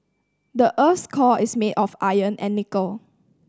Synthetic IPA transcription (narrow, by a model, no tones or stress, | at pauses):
dəʔəskʰɔʔɪsmedɔfajə̃nɛ̰̃nːikəl